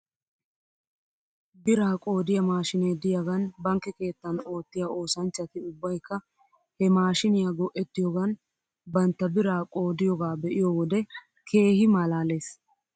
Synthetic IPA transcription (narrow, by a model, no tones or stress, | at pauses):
bɪɾaːkʼo̞ːd̪ɪjɐmaːʃɪneːd̪ɪjɐɡɐnbɐŋkːɛke̞ːt̪ːɐno̞ːt̪ːɪjao̞ːsɐnt͡ʃːɐt̪ɪʊbːɐjkːɐ | hɛmaːʃɪnɪjaɡɔʔɛt̪ːɪjɔɡɐn | bɐnt̪ːɐbɪɾaːkʼo̞ːd̪ɪjɔɡaːbɛʔɪjɔwɔd̪ɛ | kʰe̞ːhɪmalaːle̞ːs